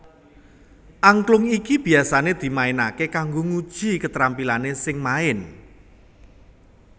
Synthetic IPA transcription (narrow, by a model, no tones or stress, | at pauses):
ʔaŋklʊŋikib̥i̤asaned̪̥i̤maɪnakekaŋɡoŋud̥ʒ̥i̤kət̪ɾampilanesɪŋmaɪn